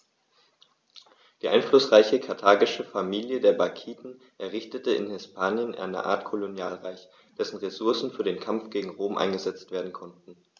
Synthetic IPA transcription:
d̥iːʔaɪnflʊsʁ̥aɪçəkʰaɐtʰaːɡɪʃəfamiːljədeːɐbakʰiːtn̩ | ʔɛɐʁɪçtətəɪ̰nhɛspʰaːnjənʔa̰ɪnə̰ʔa̰ːɐtkʰolonjaːlʁaɪç | d̥ɛsn̩ʁesʊɐsn̩fyːɐdeːnkʰamfɡ̥eːɡŋ̩ʁoːmʔa̰ɪnɡəzɛt͡stv̥eːɐdn̩kʰɔntn̩

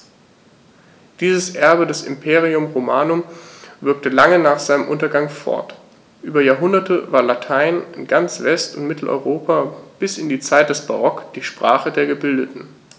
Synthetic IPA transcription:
d̥iːzəsʔɛɐbədɛsɪ̰mpʰeːʁiʊmʁomaːnʊmvɪɐk̚təlaŋənaːχz̥aɪnəmʔʊntɐɡaŋfɔ̰ɐt | ʔyːbɐjaːɐɦʊndɐtʰəvaːɐlatʰaɪnɪnɡant͡sv̥ɛstʊntmɪtʰl̩ʔɔ̰ʏʁoːpab̥ɪsɪndiːt͡saɪt̚d̥ɛsb̥a̰ʁɔkd̥iːʃpʁ̥aːχədeːɐɡəbɪldətn̩

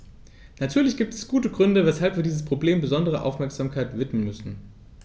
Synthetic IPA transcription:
natʰyːɐlɪçɡ̥iːp̚tɛsɡ̥uːtəɡʁʏndəvɛshalpv̥iːɐdiːzəspʁ̥obleːmbəzɔndəʁ̞əʔa̰ʊfmɛɐkz̥aːmkʰaɪtv̥ɪtmənmʏsn̩

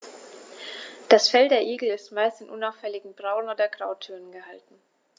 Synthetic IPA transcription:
d̥asfɛldeːɐʔiːɡl̩ɪstmaɪstɪnʔʊnaʊfɛlɪɡŋ̩bʁaʊnoːdɐɡʁaʊtʰːyɐnənɡəhaltn̩

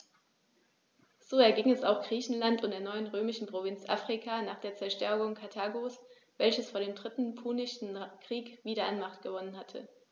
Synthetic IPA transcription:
z̥oːɛɐɡɪŋɛsaʊxɡ̥ʁiːçn̩lantʊntdeːɐnɔʏənʁøːmɪʃn̩pʁ̥ovɪnt͡sʔa̰fʁ̥ikʰaːnaːχd̥eːɐt͡sɛɐʃtɛɐɡʊŋkʰatʰaːɡos | v̥ɛlçəsfoːɐɾeːmdʁɪtn̩pʰuːnɪʃn̩kʁ̥iːkv̥iːɾɐanmaχtɡ̥əvɔnənɦatʰə̰

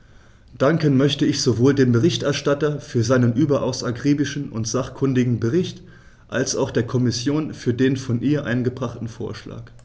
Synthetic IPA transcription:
d̥aŋkənmœçtəɪçz̥ovoːldeːmbəʁɪçtʔɛɐʃtatɐfyːɐzaɪnənʔyːbɐʔa̰ʊsaɡʁiːbɪʃn̩ʔʊ̰ntz̥aχkʰʊndɪɡŋ̩bəʁɪçt | ʔalsaʊxd̥eːɐkʰɔmɪsjoːnfyːɐdeːnfɔnʔiːɐʔa̰ɪnɡəbʁaχtn̩fo̰ːɐʃla̰ːk

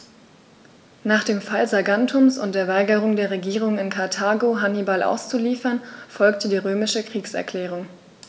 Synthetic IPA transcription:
naːχd̥eːmfalzaɡantʰʊmsʊnt̚d̥eːɐvaɪɡəʁ̞ʊŋdeːɐʁeɡiːʁ̞ʊŋɪnkʰaɐtʰaːɡoɦanibalʔa̰ʊst͡suliːfɐnfɔlktədiːʁøːmɪʃəkʁ̥iːksɛ̰ɐkʰl̥ɛːʁ̞ʊŋ

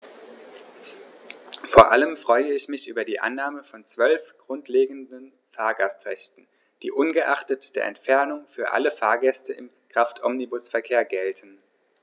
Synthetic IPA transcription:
foːɐʔaləmfʁ̥ɔʏəɪçmɪçʔyːbɐdiːʔa̰nːaːməfɔnt͡sv̥œlfɡ̥ʁʊntʰleːɡŋ̩dən | faːɐɡastʁɛçtn̩ | d̥ḭːʔʊnɡəʔaχtətd̥eːɐʔɛ̰ntfɛɐnʊŋfyːɐʔa̰ləfaːɐɡɛstəɪm | kʁ̥aftʰʔɔmnibʊsfɛɐkʰeːɐɡɛltʰən̩

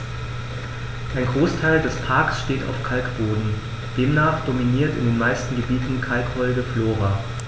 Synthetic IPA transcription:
ʔaɪnɡʁoːstʰaɪldɛspʰaɐksʃteːtʰa̰ʊfkʰalkb̥oːdn̩ | d̥eːmnaːχd̥ominiːɐtɪ̰ndeːnmaɪstn̩ɡəbiːtn̩kʰalkvɔlɡəfloːʁa

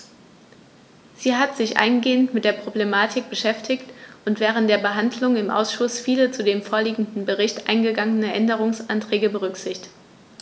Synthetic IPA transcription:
z̥iːɦatz̥ɪçʔa̰ɪnɡeːəntmɪt̚d̥eːɐpʁ̥oblemaːtʰɪk̚b̥əʃɛftʰɪçtʊntv̥ɛːʁ̞əntd̥eːɐbəɦandlʊŋɪmʔa̰ʊsʃʊsfiːlət͡sudeːmfoːɐliːɡŋ̩dn̩bəʁɪçtʔa̰ɪnɡəɡaŋənəʔɛndəʁ̞ʊŋsantʁ̥ɛːɡəbəʁ̞ʏkz̥ɪçttt

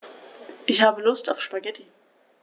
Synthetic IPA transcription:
ʔɪçhaːbəlʊstaʊfʃpaɡɛtʰi

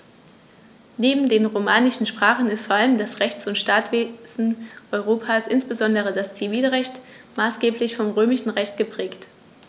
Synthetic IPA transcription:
neːbm̩deːnʁomaːnɪʃn̩ʃpʁ̥aːχn̩ɪstfoɐʔaləmdasʁɛçt͡sʊntʃtaːtv̥eːzn̩ʔɔʏʁoːpʰaːsʔɪnsb̥əzɔndəʁədast͡siviːlʁɛçt | maːsɡ̥eːplɪçfɔmʁøːmɪʃn̩ʁɛçt̚ɡ̥əpʁ̥ɛːkt

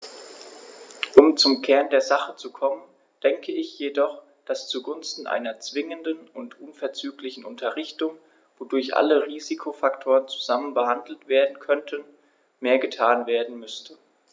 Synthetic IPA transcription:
ʔʊmt͡sʊmkʰɛɐndeːɐzaχət͡sukʰɔmən | d̥ɛŋkʰəɪçjedɔχ | d̥ast͡suɡʊnstn̩ʔa̰ɪnɐt͡sv̥ɪŋəndənʊntʔʊnfɛɐt͡syːklɪçn̩ʔʊntʰɐʁɪçtʊŋ | vodʊɐçʔa̰ləʁiːzikʰofaktʰoːʁənt͡su̥zamənbəhandl̩tv̥eːɐdn̩kʰœntʰən | meːɐɡətʰaːnveːɐdn̩mʏstʰə

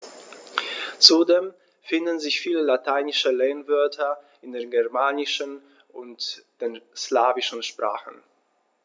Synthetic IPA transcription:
t͡sudeːm | fɪndən̩zɪçfiːləlatʰaɪnɪʃəleːnvœɐtʰɐ | ɪndeːɐnɡɛɐmaːnɪʃən | ʔʊntd̥eːnslaːvɪʃn̩ʃpʁ̥a̰ːχən̩

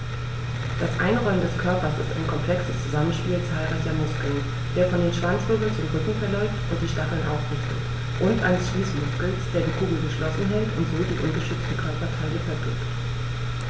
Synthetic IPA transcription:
d̥asʔa̰ɪnʁɔləndɛskʰœɐpɐsɪ̰sta̰ɪnkʰɔmpl̥ɛksəst͡suzamənʃpiːlt͡saːlʁaɪçɐmʊskl̩n | d̥eːɐfɔndeːnʃv̥ant͡sʁ̥ʏɡl̩nt͡sʊmʁʏkŋ̩fɛɐlɔʏftʔʊnt̚d̥iːʃtaχl̩nʔa̰ʊfʁ̥ʏftət | ʔʊntʔa̰ɪnəsʃliːsmʊskl̩sd̥eːɐdiːkʰuːɡl̩ɡəʃlɔsn̩ɦɛltʊntz̥oːdiːʔʊnɡəʃʏt͡stn̩kʰœɐpɐtʰaɪləfɛɐbʁɪkt

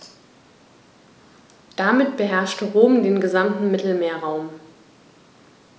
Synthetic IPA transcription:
d̥amɪtb̥əɦɛɐʃtəʁoːmdeːnɡəzamtn̩mɪtl̩meːɐʁaʊm

